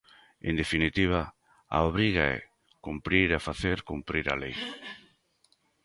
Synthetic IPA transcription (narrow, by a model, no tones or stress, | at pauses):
ḛ̃nd̪efinit̪iβ̞a | a̰oβ̞ɾiɣaɛ̰ | kumpɾiɾafaθeɾkumpɾiɾa̰lej